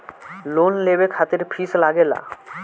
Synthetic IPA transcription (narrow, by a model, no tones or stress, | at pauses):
lonlebekʰat̪eɾpʰislaɡela̰